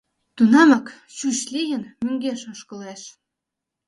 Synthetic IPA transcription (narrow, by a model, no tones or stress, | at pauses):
t̪unɑmɤ̆k | ɕuɕlʲijə̆nmø̆ŋɡeʃŏʃkɤ̆leʃ